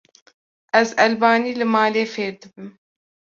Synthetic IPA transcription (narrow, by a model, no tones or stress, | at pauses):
ɛzɛlbɑːniːlɨmɑːleːfeːɾd̪ɨbɨm